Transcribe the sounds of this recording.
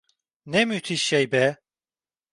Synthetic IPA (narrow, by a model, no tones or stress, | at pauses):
nɛmyt̪ʰiʃːɛjbɛ